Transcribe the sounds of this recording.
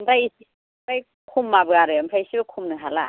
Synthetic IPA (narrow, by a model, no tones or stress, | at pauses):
mdajisi | pʰaj | kʰumːabɯaɾɯampʰɾajsibɯkʰumnɯɦala̰